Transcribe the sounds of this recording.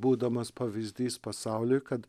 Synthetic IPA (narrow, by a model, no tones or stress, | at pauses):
buːd̪ɐmɔspɐʋizd̪iːspɔsaːwlʲikɐt̪